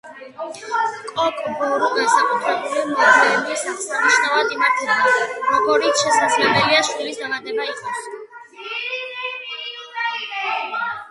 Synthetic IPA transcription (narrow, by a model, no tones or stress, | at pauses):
kʼɔkʼbɔɾɔnɛsakʼut̪ʰɾɛbulimɔd̪ɛbisat̪saniʃnavad̪imaɾt̪ʰɾaaɾɔɡɔɾit̪sʰʃɛsad̪zlɛbɛliaʃt̪ilisd̪alad̪ɛbaiqʼɔs